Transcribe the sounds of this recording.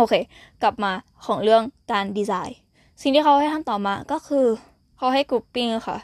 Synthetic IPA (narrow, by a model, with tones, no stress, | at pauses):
ʔoː˧kʰeː˧ | ka˨˩p̚maː˧ | kʰɔː˩˦ŋɾɯ˥˩əŋkaː˧ndiː˧saː˧˩j | si˨˩ŋt̪ʰiː˧kʰa˧wha˥˩˨j̪ʰa˧˥˨nt̪ɔː˨˩maː˧kɔː˥˩kʰɯː˧ | kʰa˧wɦa˥˩jkuː˧˩pːi˧˩ŋ˧˩xa̰˧˩